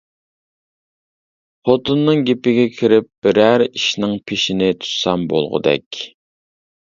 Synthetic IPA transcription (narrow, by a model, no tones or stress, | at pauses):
χot̪ɨnːɨŋɡʲepɪɡʲɛkʲʰiɾɪp̚b̥ɪɾæɾiʃnɪŋpʰeʃɪnɪt̪ʰu̥sɑmbo̰lˠʁʊ̰d̪ɛ̰kʲ